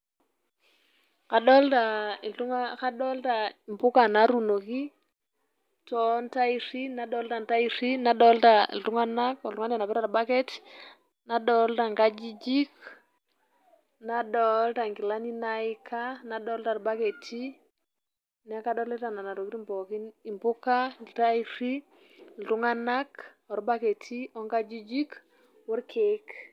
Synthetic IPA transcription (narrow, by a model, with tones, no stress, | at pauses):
ka˨ɗɔ˦lta˨i˨ltu˦ŋaka˦ɗɔ˦lta˨mpu˦ka˨na˨ɾu˨no˨ki˦ | tɔ˦nta˦i˨si˦na˦ɗɔ˦lta˨nta˦i˨ʂi˦na˨˦ɗɔ˦lta˨ḭ˨ltu˦ŋa˦na˦kɔ˨ltuŋa˦na˨na˨pɛ˦ɾa˨ɾba˦ke˦t | na˦ɗɔ˦lta˨ŋka˦d͡ʒi˦d͡ʒi˦k | na˦ɗɔ˦lta˨ŋki˨la˦ni˦nai˦kʰa˦na˦ɗɔ˦lta˨ɾba˦ke˨tʰi˦ | na˦ka˦ɗɔ˦le˦ta˨na˨na˨ɾo˨ki˦ɾi˦mpo˨ki˦ni˨mpu˦ka˦˨lta˦i˦si˦ | ltu˦ŋa˦na˦k | ɔ˨ɾba˦ke˨tʰi˦ɔ˦ŋka˦d͡ʒi˦d͡ʒi˦k | wu˦ɾkʰe˨k